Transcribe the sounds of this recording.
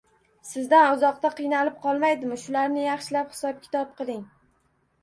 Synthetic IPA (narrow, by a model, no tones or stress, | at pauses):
sɪzd̪anʊzɒqt̪aqʰɨjnalɪp̚qʰɒlˠmajd̪ɪmɪʃʊlaɾnɪjɑχʃɪlaphɪ̥sɒp̚kʲʰɪ̥t̪ʰɒp̚qʰɨlˠɪŋ